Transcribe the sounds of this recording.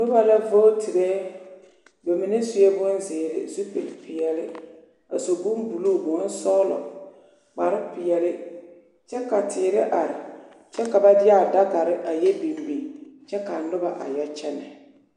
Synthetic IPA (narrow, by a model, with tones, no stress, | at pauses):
nʊ˦ba˦la˦vo˦tʰi˨ɾe˦ | bɛ˨mɪ˨nɪ˦sʊ˦e˦bʊ˦nzɪː˨ɾɪ̰˨zu˦pi˨lpɪ˨jɛ˨lɪ˦ | a˨so˨ɡu˦mbu˨luː˦˨bʊ˨˦n̩˦sɔː˦lɔ̰˨ | k͡pa˨ɾɪ˦pɪ˨ɛ˨lɪ˦ | t͡ʃɛ˦ka˨tʰɪː˨ɾɪ˦ʔa˨ɾɪ˨ | t͡ʃɛ˦ka˨ba˦dɪ˦a˦˨da˦ka˨ɾɪ˦ʔa˨jɛ˦bi˨mbi˨t͡ʃɛ˦ka˨nʊ˦ba˨ʔa̰˨ja˦t͡ʃɛ˦nɛ˨